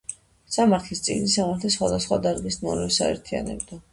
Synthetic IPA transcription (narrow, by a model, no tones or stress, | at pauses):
samaɾt̪ʰlist̪sʼḭɡnisamaɾt̪ʰlisχwad̪asχwad̪aɾɡisnɔnɛvsa̰ɛ̰ɾt̪ʰia̰nɛbd̪a